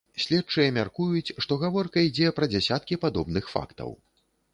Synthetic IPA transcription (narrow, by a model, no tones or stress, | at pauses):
sʲlʲɛt̚t͡ʂɨjɐmʲarkujut͡sʲʂt̪ɔɣavɔrkɐid͡zʲɛpɾɐd͡zʲɛsʲat̪̚kʲipad̪ɔbnɨxfa̰kt̪ɐ̰w